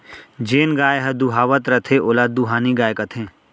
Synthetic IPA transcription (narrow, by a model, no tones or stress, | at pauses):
d͡ʒeːnɡaːjɦɐd̪uɦaːʋət̪ɾɐt̪ʰeʔoːlaːd̪uɦaːniɡaːjekɐt̪ʰẽː